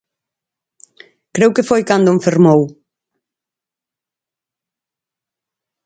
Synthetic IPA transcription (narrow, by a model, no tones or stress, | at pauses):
kɾewkefojkand̪omfeɾmow